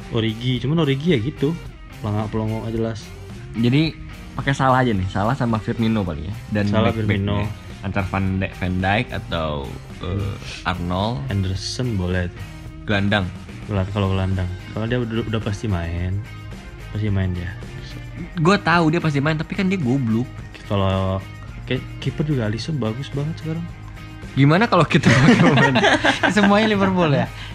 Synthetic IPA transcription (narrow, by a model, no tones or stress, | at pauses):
ʔoɾiɡit͡ʃumanoɾiɡijaɡit̪u | laŋaʔpəlɔŋɔŋad͡ʒəlas | d͡ʒadi | pakɛsalaɦad͡ʒanɪhsalahsamafɪrminopalḭŋa̰dansalafirmino | ant̪arfandafɛndaɪka̰t̪a̰u | ʔə̰ʔa̰rnɔlandərsɔnbolɛht̪u | ɡ̥əlandaŋ | lakaloɡəlandaŋkalodiaudapast̪imaɪn | past̪imaɪndia | is | ɡuat̪audiapas̬t̪imaɪnt̪apikandiaɡoblʊk̚ | kalo | kaa | kipərd͡ʒuɡalisɔnbaɡʊsbaŋət̪səkaɾaŋ | ɡimanakalokit̪amansəmuaɲalimərbolɛh